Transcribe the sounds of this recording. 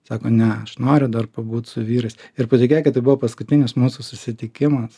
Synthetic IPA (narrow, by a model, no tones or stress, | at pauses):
sɑːkoːnʲɛɐʃnoːɾʲʊd̪ɐrpɐbuːt̪sʊʋʲiːɾɐsʲɪɾpɐt̪ʲɪkʲeːjkʲɪt̪ːɐɪbʊʋoːpɐskʊt̪ʲɪnʲɪsmuːsʊsʊsʲɪt̪ʲɪkʲɪmɐs